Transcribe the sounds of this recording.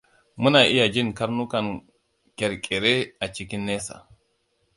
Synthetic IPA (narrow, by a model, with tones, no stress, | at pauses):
mu˦na˨ʔi˦ja˨d͡ʒi˦nka˦ɾnu˦ka˨n | kɛ˨ɾkʼɛ˨ɾɛ˦a˨t͡ʃi˨ki˦nːɛ˦sa̰˨